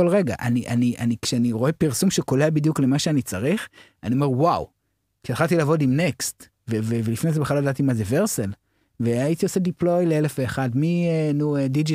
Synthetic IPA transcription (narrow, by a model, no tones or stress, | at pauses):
olʁeɡaʔa̰niʔaniʔanikʃeaniʁo̞e̞piʁsumʃeko̞leabidjukle̞maʃeanit͡saʁiχ | aniome̞ʁwaw | kiadχaltilaːvo̞dimnekst̪ | vevevelifnejzebeχlalodatimazeve̞ʁsel | veaitiose̞diplo̞jleelefeːχadmienuedid͡ʒi